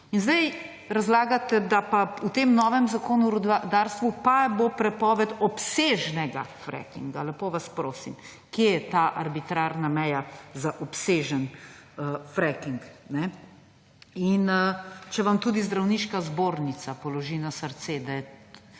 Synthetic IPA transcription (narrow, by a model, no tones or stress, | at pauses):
inzd̪ɛj | ɾazlaːɡat̪ɛd̪apaut̪emnɔːʋɛmzakoːnuɾud̪aɾst̪ʋupabopɾɛpɔːʋɛd̪ɔpseʒnɛɡafɾɛ̰kḭŋɡalɛpoʋaspɾoːsim | kjejɛt̪aːʔɐɾbit̪ɾaɾnamɛjazaʔɔpseʒənəfɾɛkiŋknɛ | inət͡ʃɛʋamt̪uːd̪izd̪ɾawniʃkazboːɾnit̪sapɔlɔʒinasəɾt̪sed̪ajɛ